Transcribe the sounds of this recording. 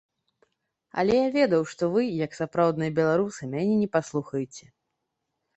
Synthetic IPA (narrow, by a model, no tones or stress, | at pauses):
ɐ̰lʲɛjavʲɛd̪ɐwʂt̪ɔvɨjɐksapɾawd̪nɨjɐbʲɛlˠaɾusɨmʲanʲɛnʲɛpaslˠuxɐjɪt͡sʲɛ